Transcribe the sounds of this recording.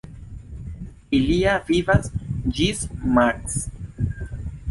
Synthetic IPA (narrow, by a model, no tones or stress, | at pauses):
iliavivasd͡ʒismaks